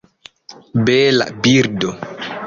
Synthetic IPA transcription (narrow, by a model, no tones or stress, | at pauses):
bɛːla̰biɾdɔ